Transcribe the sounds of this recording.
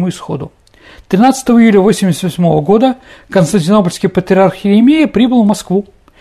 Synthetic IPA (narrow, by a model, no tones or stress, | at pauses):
muɪsxo̞̰d̪ʊ | t̪ɾʲɪnat̪sə̥t̪əvəɪjulʲəvo̞sʲɪmʲɪsʲət̪vɐsʲmo̞vəɡo̞d̪əkənst̪ənʲtʲɪno̞pəlʲskəjpət̪ɾʲɪarxɪɾʲɪmʲejɪpɾʲibɨlˠvmɐskvu